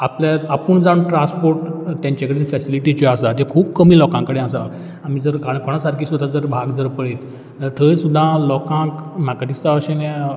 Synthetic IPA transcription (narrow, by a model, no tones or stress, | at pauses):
apljaapəɳd͡zãʈɾãnspoɾʈt̪jãɲt͡ɕakəɽefɛsiliʈit͡ɕɔasat̪ekʰuːp̚kəmiːlɔkãŋkəɽẽasa | am̤iːd͡zəɾkaɽ̃kʰoɽ̃asaɾkʰiːsud̪ʱːad͡zəɾbʱaɡd͡zəɾpəɽet̪ː | əɾt̪ʰəsud̪ʱːalɔkãkm̤akad̪ist̪aəɕẽnɛ